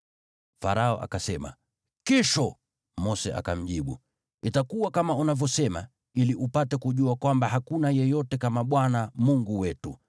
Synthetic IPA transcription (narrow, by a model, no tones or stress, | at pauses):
fa̰ɾaɔ̰ʔa̰kasɛma̰ | kiʃɔ | mɔsɛ̰ʔa̰ka̰m̩ʄiɓṵ | itakuwakamaunavjɔsɛma̰ | iliʔupatɛkuʄuakwambaɦakunajɛjɔtɛkamaɓwanamuŋɡuwɛtu